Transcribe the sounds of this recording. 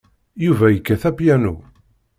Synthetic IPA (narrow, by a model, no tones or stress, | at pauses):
juvæjəkːæθæpjænṵ